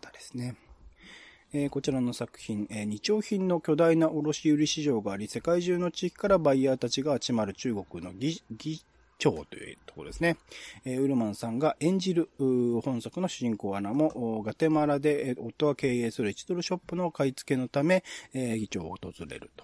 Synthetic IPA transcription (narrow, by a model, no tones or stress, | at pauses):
t̪ad̪esɨ̥ne̞ | eko̞t͡ɕiɾano̞sakɯ̟̥çĩŋeɲ̟it͡ɕo̞ːçĩnːo̞kʲo̞d̪ainaʔoɾo̞ɕiɯ̟ɾʲiɕiʑo̞ːɡaːɾʲise̞kaiʑɨːno̞t͡ɕiːkʲi̥kaɾabaiaːt̪at͡ɕiɡaːt͡ɕimaɾɯ̟t͡ɕɨːɡo̞kɯ̟no̞ɡʲiɡʲi | t͡ɕo̞ːt̪o̞̰jɯ̰t̪okoɾod̪e̞sɨneːɯ̟ɾɯ̟mãɰ̃sãŋɡaʔẽ̞ɲ̟d͡ʑiɾɯ̟hõ̞ɰ̃sakɯ̟no̞ɕɨʑĩŋko̞ːanamo̞ʔɡat̪e̞maɾad̪e̞o̞t̪ːo̞ɡake̞ːeːsɨɾɯ̟it͡ɕi̥t̪o̞ɾɯ̟ɕo̞pːɯ̟no̞kait͡sɨ̥ke̞no̞t̪ame̞ɡʲit͡ɕo̞̰ːot̪o̞z̥ɨɾe̞̰ɾɯ̟̰t̪o̥